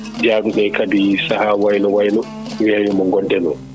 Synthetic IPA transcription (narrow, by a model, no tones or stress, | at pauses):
d͡ʒaːɗuɗajkabisahaːwajlɔwajlɔ | wɛjɛmɔŋɡɔndɛnɔ̰